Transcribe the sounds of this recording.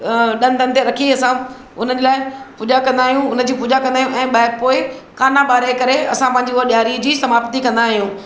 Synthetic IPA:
ɗɐ̃nd̪ənt̪eɾɐkʰiɐsã | ʊn̤əd͡ʑeːlaːɪpuːd͡ʑakɐ̃nd̪aːɦijũʊnə̆d͡ʑiːpuːd͡ʑakɐ̃nd̪aːijũʔɛ̃ːɓaːɪk̚poːɪkaːnaɓaːɾekɐɾeɐsãpɐ̃ɦɪ̃ɲ̆d͡ʑiʊɦəɗjaːɾid͡ʑiːsɐmaːpt̪ikɐ̃nd̪aːɦijũː

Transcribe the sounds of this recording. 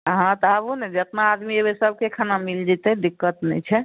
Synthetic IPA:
ɦãt̪ɔəbunɛd͡ʒət̪naːd̪miebesəb̚kekʰanamild͡ʒit̪ed̪ikːət̪nɛ̰t͡ʃʰɛ

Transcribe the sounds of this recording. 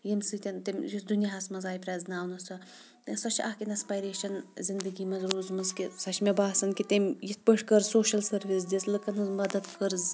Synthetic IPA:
jimsɨt̪ʲɐnt̪emjisd̪unʲjaɦɐsmɐzaːjipʲɾʲaːzʲnaːwnɐsɐ | sɐt͡ʃʰɐːkʲinɐspajɾeːʃɐnzind̪ɨɡʲiːmɐzɾuːzmɐzkisɐt͡ʃʰmʲebaːsɐnkit̪emʲjit̪̚ʰpəʂkɐɾzsoːʃɐlsɐɾʋis̬d̪ʲislɨkɐnɨzmɐd̪ɐt̪kʰɐɾz

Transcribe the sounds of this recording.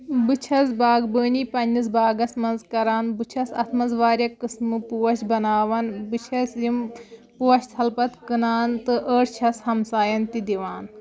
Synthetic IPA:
bɨt͡ʃʰɐzbaːɡbəːnipɐnːis̬baːɡɐsmɐnzkɐɾaːnbɨt͡ʃʰɐsɐ̰t̪ʰmɐzʋaːɾʲjɐkɨsmɨpuwɐʃbɐnaːʋɐnbɨt͡ʃʰɐsjim | puwɐʃt̪ʰɐlpɐt̪kɨnaːnt̪ɨʔəːʈt͡ʃʰɐshɐmsaːjɐnt̪id̪iʋaːn

